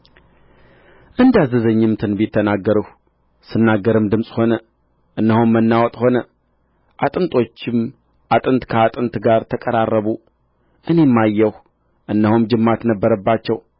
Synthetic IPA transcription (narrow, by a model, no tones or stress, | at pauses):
ʔɨnd̪azəzəɲːɨmt̪ʰɨnbɪt̪ʰːənaɡːəɾəh | sɨnːaɡːəɾɨmd̪ɨmsʼho̞nə | ʔɨnːəhumːənːawɔt̪ʼho̞nə | ʔat̪ʼɨnt̪ʼo̞t͡ʃːɪm | ʔat̪ʼɨnt̪kʰəat̪ʼɨnt̪ɡaɾt̪ʰəkʼəɾarːəβu | ʔɨne̞mːajːɛh | ʔɨnːəhumd͡ʒɨmːat̪nəbːəɾəbːat͡ʃːɛw